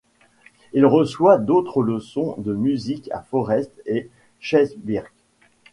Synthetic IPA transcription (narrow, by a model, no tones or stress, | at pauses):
ilʁəswad̪ot̪χələsɔ̃d̪əmyzika̰fɔʁɛst̪e | ʃɛzbiʁɡ